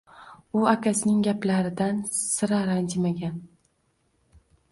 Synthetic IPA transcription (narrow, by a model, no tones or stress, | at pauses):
ʊakʲasɪnɪŋɡʲaplaɾɪd̪ansɪɾaɾand͡ʒɪmaɡʲan